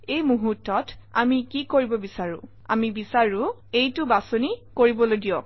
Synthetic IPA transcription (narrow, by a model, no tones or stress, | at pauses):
ejmuɦutːɔta̰mikikoɹibɔbisaɹʊ̰̃ | a̰mibisaɹʊ̃ | ejtʊbasonikoɹibɔlojdijɔk̚